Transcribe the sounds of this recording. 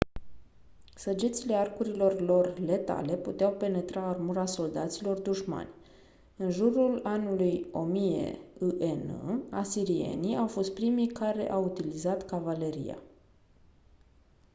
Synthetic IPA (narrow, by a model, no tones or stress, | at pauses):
səd͡ʒit̪sile̞arkuɾilo̞rlo̞rle̞t̪a̰le̞put̪eawpe̞ne̞t̪ɾaːrmuɾaso̞ld̪at̪silo̞rd̪uʃma̰nʲ | ɨnʒuɾulanulujo̞mije̞̰uʔenɨ̰asiɾie̞̰niawfo̞st̪̚pɾimijkaɾe̞̰ʔawut̪ilizat̪kavale̞ɾḭja̰